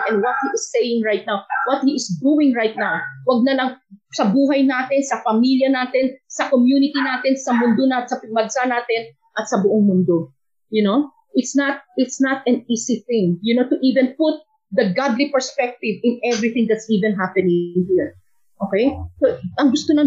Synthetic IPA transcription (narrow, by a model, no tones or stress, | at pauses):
ʔɛ̃nwɔt̪̚hiʔɪsːejɪ̃ŋɹajt̪̚nawwɐt̪̚hiʔɪsd̪uwɪ̃ŋɹajt̪̚nawwɐɡ̚nɐnɐŋsɐbuːɦɐjnaːt̪ɪnsɐfɐmiljɐnaːt̪ɪnsɐkomjunɪt̪inaːt̪ɪnsɐmʊnd̪onat̪sɐpɡ̚mɐɡsanaːt̪ɪn | ʔɐt̪sɐbʊʔoŋmʊnd̪o | jʊno | ʔɪt̪snɐt̪̚ɪt̪snɐt̪ɐ̃niːsiθɪ̃ŋjʊnot̪ʊʔiːvɛ̃npʊt̪̚ | d̪ɐɡad̪lipɛɹspɛk̚t̪ɪvɪ̃nʔɛvɹiθɪ̃ŋd̪ɐt̪siːvɛ̃nɦapɛnɪŋhiɹ | ʔokɛjsoʔɐŋɡʊst̪onɐ